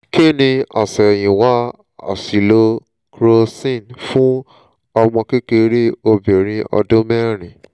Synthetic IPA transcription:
ke˦˨nĩ˧a̰˨sɛ˨j̃ĩ˨wa˦ | a̰˨si˨lo˧ | kɾo˧sĩ˦˨nfũ˦ | ɔ˧mɔ̃˧ke˦ke˧ɾe˦o˧be˨ɾ̃ĩ˧ɔ̰˧dõ˦mɛ˦ɾ̃ĩ˨

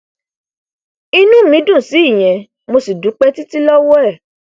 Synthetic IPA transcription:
i˧nũ˦mĩ˨˦dũ˦˨si˨˦i˦˨j̃ɛ̃˨ | mo˧si˨dũ˨˦k͡pɛ˦ti˦ti˦lɔ˦wɔ˦ɛ˦˨

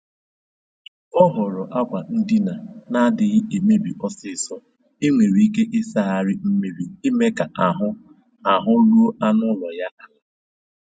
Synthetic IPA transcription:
ɔ˦ɦɔ˨ɾɔ˨ʔa˦kʷa˨n̩˦dɪ˦na˨na˦dɪ˨ɣɪ˦e˨me˦bi˨ʔɔ˦sɪ˨sɔ˦ | e˦ŋʷe˨ɾi˨i˦ke˦ʔɪ˦sa˦˨a˨ɾɪ˦m̩˦me˦ɾi˨i˦me˦ka˨a˨ɦʊ˦ | a˨ɦʊ˦lu˦o˦a˦nʊ˦lɔ˨ja˦ʔa˦la˦

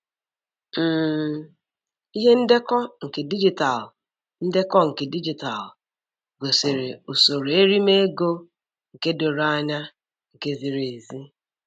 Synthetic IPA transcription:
m̩ː˦ | i˦ɦe˦n̩˦de˦kɔ˦ŋ̩˨ke˨di˦d͡ʒi˨ta˨l | n̩˦de˦kɔ˦ŋ̩˨ke˨di˦d͡ʒi˨ta˨l | ɡo˨se˨ɾe˨o˨so˨ɾe˦ɾi˦me˦ɡo˦ | ŋ̩˨ke˦do˨ɾa˦ɲa˦ | ŋ̩˨ke˦zi˨ɾe˨zi˦

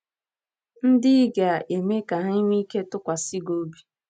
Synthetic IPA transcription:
n̩˦dɪ˦ɡa˨ʔe˨me˦ka˨ɦɪ˦mi˦ke˦tʊ˦kʷa˨si˦ɡo˦bi˦

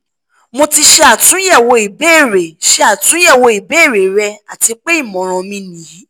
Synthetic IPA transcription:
mo˧ti˧ʃe˧a˨tũ˨˦jɛ˦˨wo˧i˨be˦˨ɾe˨ʃe˦a˨tũ˨˦jɛ˦˨wo˧i˨be˦˨ɾe˨ɾɛ˧a˨ti˧k͡pe˦i˦˨mɔ̃˨ɾ̃ɔ̃˧mĩ˧nĩ˨˦

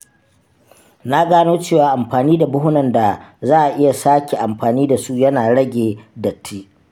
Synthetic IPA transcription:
na˦ɡaː˦noː˦t͡ʃeː˦˨waː˨ʔa˨mɸaː˨niː˦da˨bʊ˦hʊ˦nɐ˨nda˨zaː˦ʔa˨ʔɪ˦ja˨saː˦kʲe˨ʔa˨mɸaː˨niː˦da˨su˦jɐ˦naː˨ɽɐ˦ɡʲeː˨dɐ˨tʰːi˦

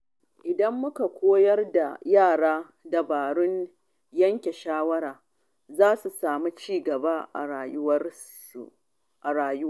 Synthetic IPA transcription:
ʔɪ˨dɐ˦mːʊ˦ka˨kʷoː˦jɐ˦rda˨jaː˦˨ɽaː˦ | da˨baː˨ɽʊ˦ɲ | jɐ˦ŋkʲe˨ʃaː˦wɐ˦ɾaː˨ | zaː˦su˨saː˨mi˦t͡ʃiː˦˨ɡɐ˨ba˦˨˦ | ʔa˨ɽaː˨jʊ˦

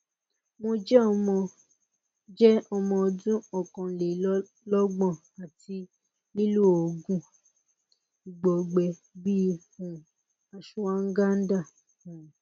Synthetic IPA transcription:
mo˧d͡ʒɛ˦ɔ˧mɔ̃˧ | d͡ʒɛ˦ɔ˧mɔ̃˧ɔ˧dũ˦ɔ˨kɔ̃˨le˨˦ | lɔ˦ɡ͡bɔ̃˦˨ | a˨ti˧ | i˦lu˦o˨ɡũ˦ | i˨ɡ͡bɔ˨ɡ͡bɛ˧ | bi˦˧˦hũ˨ | a˨ʃũ˦wã˦ŋ̩˦ɡa˦n̩˦da˦˨

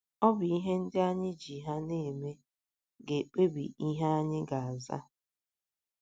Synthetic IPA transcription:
ɔ˦bʊ˨i˦ɦe˦n̩˦dɪ˦a˦ɲɪ˦d͡ʒi˨ɦa˦ne˦˨me˦ | ɡe˨k͡pe˦bḭ˨i˦ɦe˦a˦ɲɪ˦ɡa˨a˨za̰˦

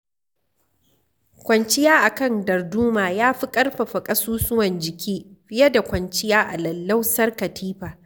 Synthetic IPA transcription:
kʷɐ˨nt͡ʃɪ˦jaː˦ʔa˨kɐ˦ndɐ˨rduː˦maː˨jaː˦ɸi˦kʼɐ˦rɸa˨ɸɐ˨kʼɐ˦suː˦sʊ˦wɐ˨nd͡ʒɪ˨kʲʰiː˦ɸɪ˦jɐ˦da˨kʷɐ˨nt͡ʃɪ˦jaː˦ʔa˨lɐ˨lːa˦wsɐ˦rkɐ˨tʰiː˦ɸaː˨

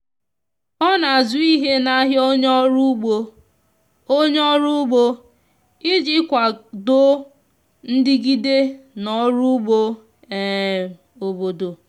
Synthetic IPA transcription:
ɔ˦na˨a˨zʊ˨˦i˦ɦe˦na˦ɦjo˦ɲ˦ɾu˦ɡ͡bo˦ | o˦ɲ˦ɔ˦ɾu˦ɡ͡bo˦ | ɪ˦d͡ʒɪ˦kʷa˨do˦ | n̩˦dɪ˦ɡi˦de˦nɔ˨ɾu˦ɡ͡bo˦ | e˨ | o˨bo˨do˨

